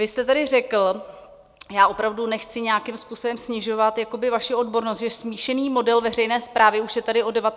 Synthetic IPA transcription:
vɪst̪ɛt̪adɪrɛkl̩ | jaːʔo̞pɾavdunɛxt͡sɪɲɛjakɪmspuːsobɛmsɲɪʒo̞vat̪jako̞bɪvaʃɪo̞dbo̞ɾnost̪ʒɛsmiːʃɛniːmo̞dɛlvɛrɛjnɛːspɾʔaːvɪuʃjɛt̪adɪʔo̞dɛvat̪

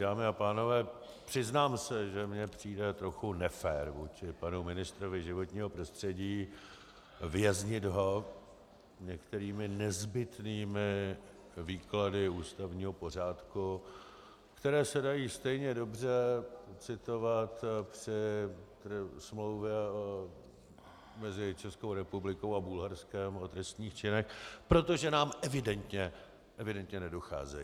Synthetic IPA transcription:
daːmɪapaːno̞vɛː | pr̝̥ɪznaːmsɛʒɛmɲɛpr̝̥iːdɛt̪ɾo̞xunɛfɛːɾvuːt͡ʃɪpanumɪnɪst̪ɾovɪʒɪvo̞t̪ɲiːɦo̞pɾo̞st̪r̝̥ɛɟiː | vɪjɛzɲɪd̪ɦo̞ | ɲɛkt̪ɛɾiːmɪnɛzbɪt̪niːmɪ | viːkladɪuːst̪avɲiːɦo̞po̞r̝aːt̪ku | kt̪ɛɾɛːsɛdajiːst̪ɛjɲɛdo̞br̝ɛt͡sɪt̪o̞vat̪pr̥ɪt̪smlowvjɛo | mɛzɪt͡ʃɛsko̞wɾɛpublɪko̞wabulɦaɾskɛmot̪ɾɛst̪ɲiːxt͡ʃɪnɛxpɾo̞t̪o̞ʒɛnaːmʔɛvɪdɛnt̪ɲɛ | ʔɛvɪdɛnt̪ɲɛnɛdo̞xa̰ːzɛ̰jiː

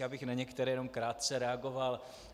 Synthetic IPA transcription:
abɪxnaɲɛkt̪ɛɾɛjɛnomkɾaːt̪̚t͡sɛɾɛaɡo̞val

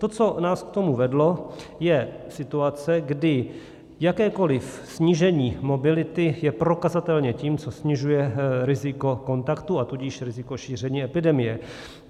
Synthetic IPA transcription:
t̪o̞t͡so̞naːskt̪o̞muvɛdlo̞jɛsɪt̪uat͡sɛɡdɪ | jakɛːko̞lɪf | sɲiːʒɛɲiːmo̞bɪlɪt̪ɪjɛpɾo̞kazat̪ɛlɲɛciːmt͡sosɲɪʒujɛɾɪzɪko̞ko̞nt̪akt̪uat̪uɟɪʃɾɪzɪko̞ʃiːr̝ɛɲiːɛpɪdɛmɪjɛ

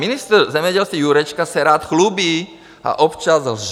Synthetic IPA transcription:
inist̪rzɛmjɛɟɛlst̪ʋiːjuɾɛt͡ʃkasɛɾaːt̪xlubiː | a̰ʔɔpt͡ʃazlʒ

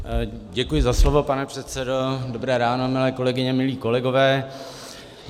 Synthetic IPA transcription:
ɟɛkujɪzaslovo̞panɛpr̥ɛt̪sɛdo̞dobɾɛːɾaːno̞mɪlɛːko̞lɛɡɪɲɛmɪliːko̞lɛɡo̞vɛː

